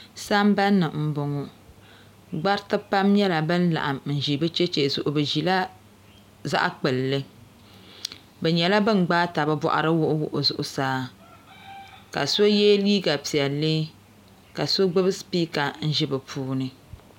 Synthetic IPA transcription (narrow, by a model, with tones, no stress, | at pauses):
sa˦mba˦nːɨ˨m̩˦bʊ˨ŋu˦ | ɡ͡ba˦ɾtɨ˦pa˦mɲɛ˦la˨bɨ˦n˦la̰˨ʔa˨mn̩˨ʒi˨bɨ˦t͡ʃɛ˦t͡ʃe˨zʊ˨ʔʊ˨bɨ˨ʒi˨la˦ | za̰˦ʔa˦k͡pɨ˨lːɨ˦ | bɛ˨ɲɛ˨la˦bɨ˦n˨ɡ͡baː˦ta˨bɨ˦bɔ̰˦˨ʔa̰˦ɾɨ˦wʊ˦ʔʊ˦wʊ˨ʔʊ˨zʊ˨ʔʊ˨saː˦ | ka̰˨so˦jɛː˦liː˦ɡa˨pi˨ɛ˨lɨ˦ | ka˨so˦ɡ͡bɨ˦bɨ˦spiː˦ka˨n̩˦ʒɪ˦bɨ˨pʰuː˦nɨ˨